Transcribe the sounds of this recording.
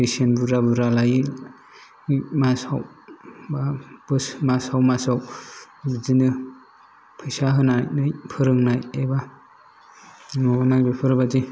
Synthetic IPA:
esienbuɾabɯɾalajɯ | masawbab̥ɯsmasawmasaw | bizinɯ | pʰɯjsaɦɯnajnɯjpʰɯɾɯŋnajeba | ŋɔbamaŋbepʰɯɾɯbazi

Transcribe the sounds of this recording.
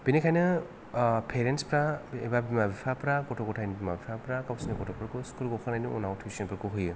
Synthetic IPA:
b̥inikʰajnɯ | pʰeɾenspɾaebabimabipʰapɾakɔtʰokɔtʰajnɯbimabipʰapɾakawsinɯkɔtʰɔpɾakuskuɾɡɔkʰanajnuɔ̰nawtʰisonpɯɾkuɦɯjɯ

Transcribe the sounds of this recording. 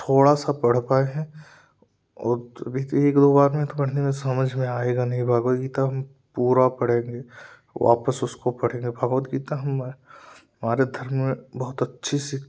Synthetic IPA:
t̪ʰoːɽasapɐɽ̤paːeɦɛ̃ | ɔ̰ːɾɐ̰bʱit̪eːkd̪oːbaːɾmẽt̪opɐɽ̤nemẽsɐməd͡ʒʱmẽaːeːɡanɐɦĩbʱaːɡət̪ɡiːt̪aɦɐm | puːɾapɐɽ̤ẽːŋɡeː | ʋa̰ːpəsʊskopɐɽ̤ẽːŋɡebʱaːɡʋət̪ɡiːt̪aɦɐm | ɐmaːɾed̪ʱɐɾmmẽbɐɦʊt̪ɐtːʃʰisi

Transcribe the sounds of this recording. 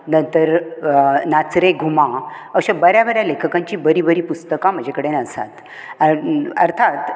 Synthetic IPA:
nənt̪əɾ | nat͡sɾeɡʱumã | əɕabəɾjabəɾjalekʰəkãɲt͡ɕiːbəɾiːbəɾiːpust̪əkam̤əd͡ʑʱekəɽenəsa̰t̪ | ə̰ɾt̪ʰat̪

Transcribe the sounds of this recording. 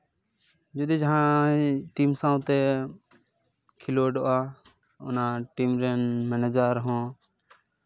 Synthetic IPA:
d͡ʒʊd̪eːd͡ʒãːʈiːmsãːʊt̪eː | kʰɪloːɖoʔaː | ʊnãʈiːmɾenmeːneːd͡ʒaːɾɦõː

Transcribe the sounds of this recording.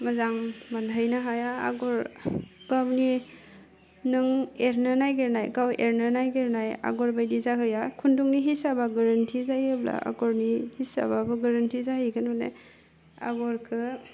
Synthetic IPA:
mazaŋmanɦajnaɦajaa̰ɡɔɾɡ̥awni | nɯŋeɾnɯnajɡeɾnajɡawḛɾnanajɡeɾnaja̰ɡɔɾbajdizaɦɯjakʰunduŋniɦisabaɡaɾantʰizajɯbla̰ʔa̰ɡɔɾnihisa̰babɯɡaɾantʰizaɦiɡɯnɔnḛ | a̰ɡɔɾkʰɯ

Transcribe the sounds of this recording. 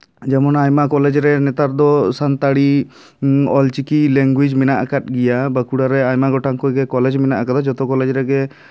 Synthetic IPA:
d͡ʒɛmɔnajmakɔlɛd͡ʒɾɛnɛt̪aɾd̪ɔsant̪aɽi | ɔlt͡ʃikilɛŋɡwid͡ʒmɛnaʔkat̪̚ˀɡɛjabəkuɽaɾɛajmaɡɔʈaŋkɔjɡɛkɔlɛd͡ʒmɛnaʔkad̪ad͡ʒɔt̪ɔkɔlɛd͡ʒɾɛɡɛ

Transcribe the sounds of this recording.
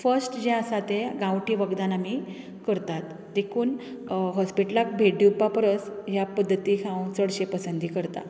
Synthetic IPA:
fəɾsʈd͡ʑẽəsat̪eɡãwʈʰiʋəɡd̪anami | kəɾt̪at̪ | d̪ekʰuːn | ɦɔspiʈəlak̚bʱeɖiwpapəɾəsjapəd̪ːət̪iːkʰãwt͡səɽɕepəsənd̪ʱiːkəɾt̪a̰

